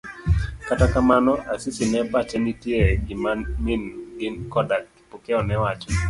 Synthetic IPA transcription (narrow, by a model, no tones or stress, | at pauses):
katakamanɔʔasisinɛpat͡ʃɛnitiɛɡimanminɡinkɔdakːi̥pɔkɛɔnɛwat͡ʃɔ